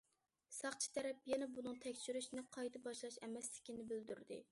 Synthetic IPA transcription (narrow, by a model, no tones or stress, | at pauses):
sɑχt͡ʃʰi̥t̪ʰɛɾɛpjɛnɛbunɨŋt̪ʰɛkʲt͡ʃyɾyʃnɪqʰɑjt̪ʰɨbɑʃlˠɑʃɛmɛslɪ̥kʲinɪbyld̪yɾd̪ɪ̰